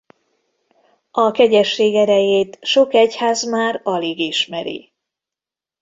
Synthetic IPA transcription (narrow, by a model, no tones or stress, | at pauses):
ɒkɛɟɛʃːeːɡɛɾɛjeːt̪ʃo̞kɛchaːzmaːɾɒleːɡiʃmɛɾḭ